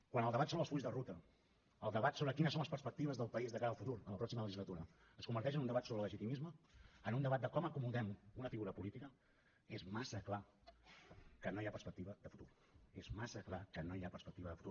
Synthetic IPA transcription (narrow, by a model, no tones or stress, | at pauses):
kwanəlˠd̪əβat̪soβɾəlˠsfuʎzðərut̪ə | əlˠd̪əβat̪soβɾəkinəsonləspəɾspək̚t̪iβəzðəlˠpəizðəkaɾəːlˠfut̪uɾənləpɾɔksimələʒizlət̪uɾə | əskumbəɾt̪ɛʃ̬ənund̪əβat̪soβɾləʒit̪imizməːnund̪əβat̪̚d̪əkɔməkumuðɛmunəfiɣuɾəpulit̪ikə | ezmasəkla | kənojapəɾspək̚t̪iβəðəfut̪uɾ | ezmasəklakənoiapəɾspək̚t̪iβəðəfut̪u